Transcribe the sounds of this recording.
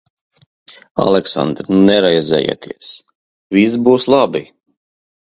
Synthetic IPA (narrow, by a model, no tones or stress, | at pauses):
a̰lˠɛksa̰nd̪ɾnɛɾɛjzɛ̰ːja̰t̪ʰiɛs | vis̬buːslˠabi